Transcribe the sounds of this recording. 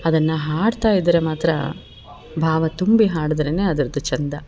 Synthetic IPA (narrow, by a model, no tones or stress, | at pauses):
ɐd̪ɐnːɐɦaːɽt̪aːjid̪ɐɾemaːt̪ɾɐ̰ | bʱaːʋɐt̪umbiɦaːɽɐd̪ɾene̞ːɐd̪ɐɾɐd̪ut͡ʃɐnd̪ɐ